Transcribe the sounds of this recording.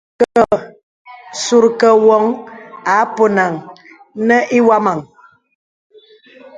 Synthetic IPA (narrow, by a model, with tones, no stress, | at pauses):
kə˨ | su˨ɾkə˨wɔ˨˦ŋa˨˦po˨na˨ŋ | nə˦ʔi˦wa˦ma˨ŋ